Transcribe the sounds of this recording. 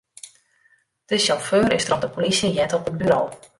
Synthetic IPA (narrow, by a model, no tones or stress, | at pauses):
d̥əʃɔføːrɪstərɔpdəpolisjəjɛtɔpət̚byɾow